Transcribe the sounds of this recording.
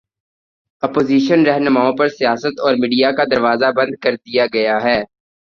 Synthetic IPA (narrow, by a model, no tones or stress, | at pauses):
ɐpoːziːʃənɾɛɦnʊmaːõpɐɾsijaːsət̪ɔːɾmiːɖijakad̪ɐɾʋaːzabɐ̃nd̪̚kɐɾd̪ijaɡɐjaɦɛː